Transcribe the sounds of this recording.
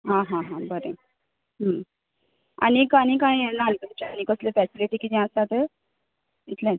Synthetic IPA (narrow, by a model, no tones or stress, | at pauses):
ɦãɦãɦãbəɾḛ | ɦə | a̰nikaɽ̃ĩkãjenalkət͡ɕañikəslefæsiliʈikid̪ɛ̃əst̪at̪e | it̪lɛ̃